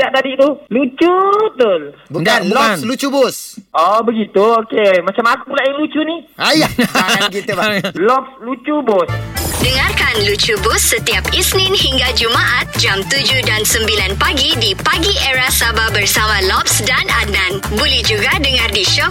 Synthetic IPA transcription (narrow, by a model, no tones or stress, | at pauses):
daʔt̪adit̪ulut͡ʃut̪olbundanlanlut͡ʃubʊsʔɔbəɡit̪uokemat͡ʃamakupulaʔilut͡ʃuniajaɡit̪ubalɔp̚slut͡ʃubosdəŋarkanlut͡ʃubʊsːət̪iap̚isnɪ̃nhiŋɡad͡ʒumaʔat̪̚d͡ʒamt̪ud͡ʒudansəmbilanpaɡidipaɡieɾasababərsamãlɔp̚sdanananbulɛhd͡ʒuɡadəŋardiʃɔk̚